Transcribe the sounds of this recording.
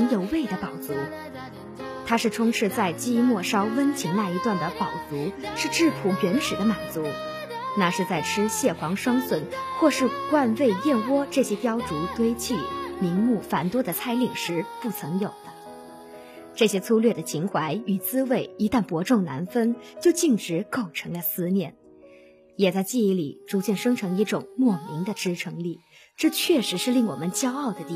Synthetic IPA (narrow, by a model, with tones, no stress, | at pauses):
ŋjo˧˩ʊwe˥˩ɪd̪ə˩pɑ˨˩ʊt͡su˧˥ | t̪ʰa˥ʂɻ̩˥˩ʈ͡ʂʰʊ˥ŋʈ͡ʂʰɻ̩˥˧t͡sa˥˩ɪt͡ɕi˥mwɔ˥˩ʂɑ˥ʊwə˥nt͡ɕʰi˧˥ŋna˥˩i˧˥t̪wa˥˩nd̪ə˩pɑ˨˩ʊt͡su˧˥ʂɻ̩˥˧ʈ͡ʂɻ̩˥˩pʰu˨˩ɥɛ˧˥nʂɻ̩˨˩d̪ə˦ma˨˩nt͡su˧˥ | na˥˧ʂɻ̩˥˧t͡sa˥˩ɪʈ͡ʂʰɻ̩˥ɕjɛ˥˩xwɑ˧˥ŋʂwɑ˥ŋswə˨˩nxwɔ˥˧ʂɻ̩˥˧kwa˥˧nwe˥˧ɪjɛ˥˩nwɔ˥ʈ͡ʂɤ˥˩ɕjɛ˥p̪jɑ˥ʊt͡su˧˥t̪we˥ɪt͡ɕʰi˥˩mi˧˥nmu˥˩fa˨˩nt̪wɔ˥d̪ə˨t͡sʰa˥ɪli˨˩ŋʂɻ̩˧˥pu˥˩t͡sʰɤ˧˥ŋjo˨˩ʊd̪̥ə˦ | ʈ͡ʂɤ˥˩ɕjɛ˥t͡sʰu˥lɥɛ˥˩d̪ə˩t͡ɕʰi˧˥ŋxwa˧˥ɪy˨˩t͡sɹ̩˥we˥˩ɪi˧˥t̪a˥˩npwɔ˧˥ʈ͡ʂʊ˥˩ŋna̰˧˥nfə˥nt͡ɕjo˥˧ʊt͡ɕi˥˩ŋʈ͡ʂɻ̩˧˥ko˥˩ʊʈ͡ʂʰɤ˧˥ŋlə˧sɹ̩˥mjɛ˥˩n | jɛ˨˩t͡sa˥˧ɪt͡ɕi˥˧i˥˩li˨˩ʈ͡ʂu˧˥t͡ɕjɛ˥˩nʂɤ˥ŋʈ͡ʂʰɤ˧˥ŋi˥˩ʈ͡ʂʊ˨˩ŋmwɔ˥˩mi˧˥ŋd̪ə˧ʈ͡ʂɻ̩˥ʈ͡ʂʰɤ˧˥ŋli˥˩ | ʈ͡ʂɤ˥˧t͡ɕʰɥɛ˥˩ʂɻ̩˧˥ʂɻ̩˥˧li˥˩ŋwɔ̰˨˩mə˦nt͡ɕjɑ˥ʊɑ˥˩ʊd̪ə˩t̪i˥˨